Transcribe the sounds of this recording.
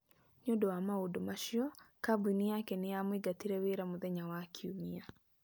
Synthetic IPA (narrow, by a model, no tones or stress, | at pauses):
ɲodoamaodomaʃjɔkabuniakɛnɪameɡatiɾeweɾamʊðɛɲawakʰiumia